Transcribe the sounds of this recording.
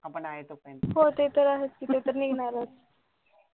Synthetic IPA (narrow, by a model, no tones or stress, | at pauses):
apəɳaɦet̪okanɦot̪et̪əɾaɦet̪kit̪et̪əɾniɡnaɾət͡s